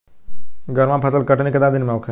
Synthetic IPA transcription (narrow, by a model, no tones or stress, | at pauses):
ɡʱəɾmãpʰəsəlkɐʈnekɐd̪ad̪ɪnmẽokʰe